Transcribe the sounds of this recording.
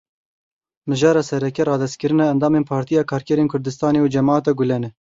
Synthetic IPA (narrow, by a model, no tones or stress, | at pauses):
mɨʒɑːɾɑːsɛɾɛkɛɾɑːd̪ɛst̪̚kɨɾɨnɑɛnd̪ɑːmeːnpʰɑːɾt̪ijɑːkʰɑːɾkɛɾeːnkʰʊɾd̪ɨst̪ɑːneud͡ʒɛmɑːɑt̪ɑɡʊlɛnɛ